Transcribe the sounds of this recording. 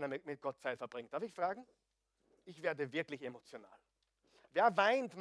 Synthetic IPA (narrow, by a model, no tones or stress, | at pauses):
nɐmmɪt̚ɡ̥ɔt̚t͡saɪtfɛɐb̥ʁɪŋt̚d̥aɐfɪçfʁ̥aːɡŋ̩ | ɪçv̥eːɐdəvɪɐklɪçemot͡sjona̰ːl | veːɐvaɪntm